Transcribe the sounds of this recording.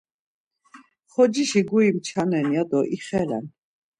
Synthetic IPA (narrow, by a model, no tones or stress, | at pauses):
χɔd͡ʒiʃiɡuimt͡ʃʰanɛnjad̪ɔʔiχɛlɛ̰n